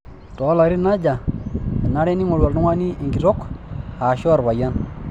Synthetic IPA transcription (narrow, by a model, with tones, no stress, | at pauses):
to˨˦la˨ɾi˦na˦d͡ʒa˨a˨na˦ɾe˦ni˦ŋo˨lwa˨lnu˦ŋa˦ni˦i˨ɡi˨ɾo˦kha˨ʃo˦˨ɾba˨ja˦n